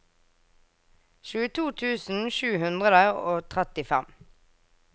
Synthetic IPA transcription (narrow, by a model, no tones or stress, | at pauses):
ʃʉːət̪ʰuːt̪ʰʉːsn̩ʃʉːhʉnd̪ʁəd̪əoːt̪ʰʁɛt̪ɪfæm